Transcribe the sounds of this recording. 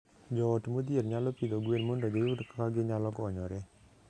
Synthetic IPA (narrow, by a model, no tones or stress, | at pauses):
d͡ʒɔtmod̪ieɾɲalɔpid̪oɡwenmondɔd͡ʒɔjutkḁkaɡɪɲalɔkɔɲɔɾɛ